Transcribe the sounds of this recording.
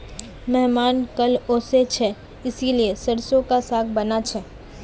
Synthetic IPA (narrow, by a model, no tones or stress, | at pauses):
mɛɦmaːnkɐloːset͡ʃʰɛ | ɪsiliesɐɾsõkasaːk̚ʰbɐnat͡ʃʰɛː